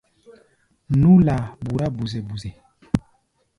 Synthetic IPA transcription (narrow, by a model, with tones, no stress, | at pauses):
nu˦la˨bu˨ɾa˦bu˨zɛ˨bu˨zɛ˨